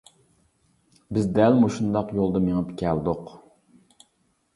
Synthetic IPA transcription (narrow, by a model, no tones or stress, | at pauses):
bɪzd̪ɛlmoʃund̪ɑqjolˠd̪əmeŋɨpkʲʰæld̪ʊq